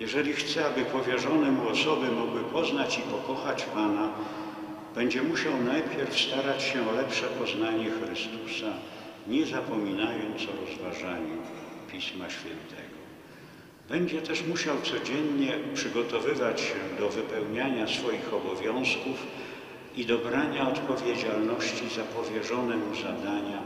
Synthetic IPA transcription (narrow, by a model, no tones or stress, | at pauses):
jɛʐɛlʲixt̪sɛabɘpɔvʲjɛʐɔnɛmuɔsɔbɘmɔɡwɘpɔznat͡ɕipɔkɔxat͡ɕpana | b̥ɛɲd͡ʑɛmuɕawnajpʲjɛɾfst̪aɾat͡ɕɕɛɔlɛpʂɛpɔznaɲɛxɾɘst̪usaɲɛzapɔmʲinajɔnt̪sɔɾɔzvaʐaɲɛpʲismaɕfʲjɛnt̪ʰɛɡɔ | bɛɲd͡ʑɛt̪ɛʂmuɕawt̪sɔd͡ʑɛnɲɛpʂɘɡɔt̪ɔvɘvat͡ɕɕɛd̪ɔvɘpɛwɲaɲasfɔjixɔbɔvʲjɔ̃w̃skuf | id̪ɔbɾaɲaɔt̪pɔvʲjed͡ʑalnɔɕt͡ɕizapɔvʲjɛʐɔnɛmuzad̪aɲa